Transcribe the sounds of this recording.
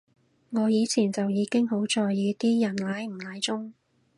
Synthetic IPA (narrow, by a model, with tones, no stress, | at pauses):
ŋɔː˨˧jiː˨˧t͡sʰiː˨˩nt͡sɐ˨wjiː˨˧kɪ˥ŋɦo˨˥wt͡sɔː˨jːiː˨˧t̪iː˥jɐ˨˩nlaː˨˥jm̩˨˩laː˨˥jt͡sʊ˥ŋ